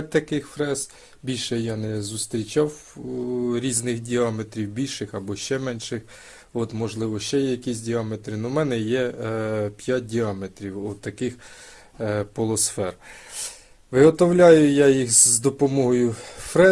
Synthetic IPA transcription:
t̚ʲt̪ɐkɪxfɾɛs | bʲilʲʃɛjɑnɛzʊst̪ɾʲit͡ʃɑw | ɾʲiznɪxdʲiɑmet̪ɾʲiwbʲilʲʃɪxɐbɔʃt͡ʃɛmɛnʃɪx | ɔt̪mɔʒlˠɪʋɔʃt͡ʃɛjɛjɐkʲisʲdʲiɑmet̪ɾɪnʊmɛnɛjɛ | pʲjat̚ʲdʲiɑmet̪ɾʲiwɔt̪ːɐkɪx | pɔlˠɔsfɛr | ʋɪɦɔt̪ɔwlʲɑjʊjɑjixzd̪ɔpɔmɔɦɔjʊfɾɛ

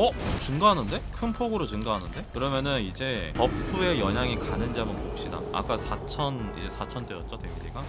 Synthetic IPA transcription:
ʌt͡ɕuŋɡaɦanɯnde̞kʰɯnpʰoɡɯɾot͡ɕuŋɡaɦanɯnde̞kɯɾʌmjʌnɯnid͡ʑe̞kʌpʰue̞jʌɲaŋikanɯnd͡ʑamɯnkop̚ɕ͈ida̰a̰k͈asʰat͡ɕʰʌnḭd͡ʑe̞sʰat͡ɕʰʌnt͈ejʌt̚t͡ɕ͈oted͡ʑiɡa

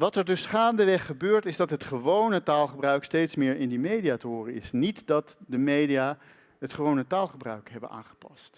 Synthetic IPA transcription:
ʋɑtɛɹdɵsχaːndəʋɛχːəbøːɹtɪzdɑtɦətχəʋownətaːlˠχəbrœɥkstejtsmɪːɹɪndimejdiaːtəɦʊːrənɪsnitdɑtdəmejdijaː | ɦətχəʋownətaːlˠχəbrœ̰ɥkɦɛbə̰nʔa̰ːχə̥pɑ̰st

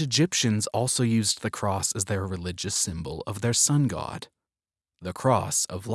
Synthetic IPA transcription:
ɨd͡ʒɪpʃɨ̃nzɔlˠsoʊjʉzðɨkʰɹ̥ɔsɨzðə˞ɹɨlɪd͡ʒɨsɪ̃mbl̩ˠʌvðə˞sʌ̃nɡɑ̰d̪̥̚ | ðɨkʰɹ̥ɔsʌvl

